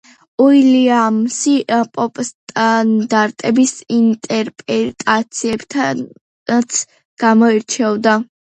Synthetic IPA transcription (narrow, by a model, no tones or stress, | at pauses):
uiliamsipʼɔpʼst̪ʼand̪aɾt̪ʼɛbisint̪ʼɛɾpʼɾɛt̪ʼat̪sʰiɛbt̪ʰa | at̪sʰ | ɡ̥amɔiɾt͡ʃʰɛvd̪a